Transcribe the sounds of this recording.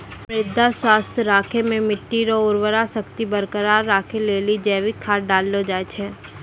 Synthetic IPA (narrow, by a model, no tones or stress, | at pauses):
pɾɪd̪ʱːaswaːst̪ʰjəɾaːkʰemẽmɪʈːiɾoʊɾwəɾasəkt̪ibəɾkəɾaːɾːaːkʰeleːlid͡ʒɛːʋikʰaːɾɖaːlːod͡ʒaːet͡ʃʰɛː